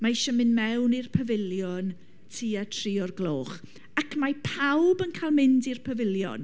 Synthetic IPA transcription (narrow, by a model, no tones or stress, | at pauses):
maʃəmɪnmɛwnirpʰəvɪlˠjɔn | tʰiːatʰriːɔrɡlˠoːχ | akmapʰawbənkʰaːlˠmɪndirpʰəvɪlˠjɔ̰n